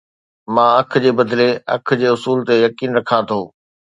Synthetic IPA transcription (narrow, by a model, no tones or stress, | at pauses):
mãːɐkʰd͡ʑeːbɐd̪leɐ̰kʰd͡ʑeːʊsuːlt̪ejɐkiːnɾɐkʰãt̪ʰoː